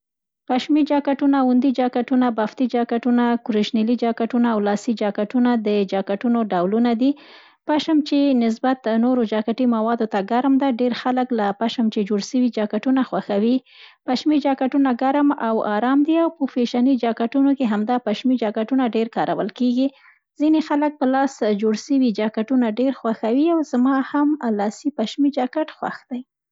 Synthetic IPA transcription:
paʃmid͡ʒɑkaʈunaʊnd̪id͡ʒɑkaʈunabaft̪id͡ʒɑkaʈunakʊɾiʃnilid͡ʒɑkaʈunaːwlɑsid͡ʒɑkaʈunad̪əd͡ʒɑkaʈunoɖawlunad̪i | paʃamt͡ʃenɪs̬bat̪noɾod͡ʒɑkaʈimawɑd̪ot̪aɡaɾmd̪aɖeɾxaləklapaʃamt͡ʃed͡ʒoɽʃəwid͡ʒɑkaʈunaxwaxawi | paʃmid͡ʒɑkaʈunaɡaɾmawɑ̰ɾɑmd̪iawpəfeʃɑnid͡ʒɑkaʈunokeɦamd̪ɑpaʃmid͡ʒɑkaʈunaɖeɾkɑɾa̰wə̰lkeɡi | z̥inexalək̚pəlɑsd͡ʒoɽʃəwid͡ʒɑkaʈunaɖeɾxwaxawiawzamɑhamlɑsipaʃmid͡ʒɑkaʈxwa̰xd̪̥aj

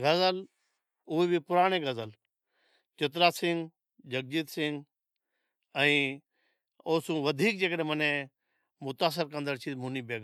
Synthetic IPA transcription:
ɡɐzəl | ʊebʱipʊɾaːɽ̃eɡəzəl | t͡ʃɪt̪ɾaːsɪ̃ŋɡ | d͡ʒək̚d͡ʒiːt̪sɪ̃ŋɡ | ə̃ĩː | oːsũːʋəd̪ʱiːk̚d͡ʒekɗẽmənẽ | mʊt̪aːs̬ɪɾkə̃nd̪əɾt͡ʃʰimʊniːbeːɡ

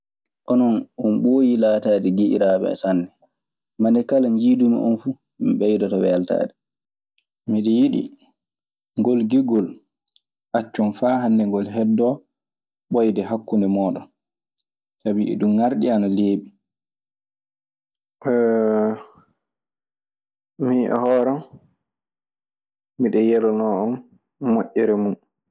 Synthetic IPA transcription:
ʔɔnɔnɔnɓoːjilaːtadɛɡiʔḭɾaɓɛ̰sanːɛ | manɛkalaɲd͡ʒiːdumḭʔɔ̰nfu | miɓɛjdɔtɔwɛalta̰ːdɛ | miɗɛjiɗḭ | ŋɡɔlɡiɡɔl | ʔat͡ʃːɔnfaɦanːɛŋɡɔlɦɛdːɔ | ɓɔjdɛɦakːundɛmɔːɗɔn | tabiɛ̰ɗumːaɾɗianaleːɓi | miʔɔ̰hɔːɾan | miɗɛjɛlɔnɔɔmː | oʔːɛɾɛmun

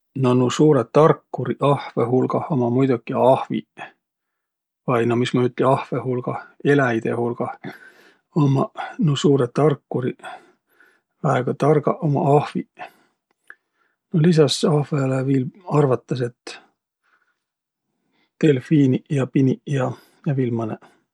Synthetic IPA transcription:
nonusuːɾet̪ːɑrkːuɾiʔɑhveɦulɡ̥ɑho̞mɑmujd̪̥ukːˑiɑhvḭ | vɑjnomismɑyt̪ːˑlʲiɑhve̞hulɡ̥ɑe̞læjd̪̥e̞̰hulɡ̥ɑh | omɑnusuːɾet̪ːɑrkːuɾi | væeɡ̥ɑt̪ɑrɡɑʔomɑ̰ɑhvi | nolis̬ɑsɑhvelevilɑrvɑt̪ːˑɑs̬e̞t̪ | t̪e̞lfiːnijɑpinijɑ | jɑvilmɑne

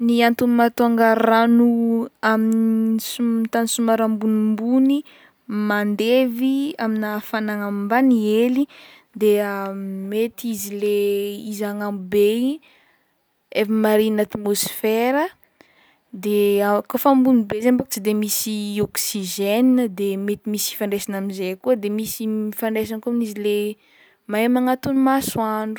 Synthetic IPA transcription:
niant̪umat̪uaŋɡaɾanuaminisut̪anisumaɾambunimbuni | mand̪eviaminafanaŋammbanieli | d̪eamet̪izileizaŋamube | efimaɾinat̪imosfeɾə | d̪eakofambunibezembakut͡sid̪emisiɔksiʒeninəd̪emet̪imisi̥faɳɖ͡ʐesanaminzekuəd̪emisiifaɳɖ͡ʐes̬ankuaminizile | maemaŋat̪unimasuaɳɖ͡ʐu

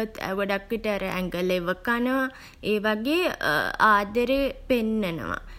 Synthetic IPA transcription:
ət̪æ̰ɡoɖakʋiʈəaɾəʔæ̰ŋɡəleʋəkanəʋa | eːʋaɡeːaːd̪əɾepenːənə̰ʋa̰

